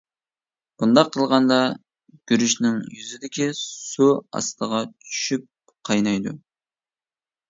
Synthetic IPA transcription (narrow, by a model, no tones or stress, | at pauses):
b̥und̪ɑqʰːəlˠʁɑnd̪ɑ | ɡ̥ʲyɾyʃnɪŋjyzɪd̪ɪkʲisuɑ̰st̪ʰəʁɑt͡ʃʰy̥ʃyp̚ | qʰɑjnɑjd̪ṵ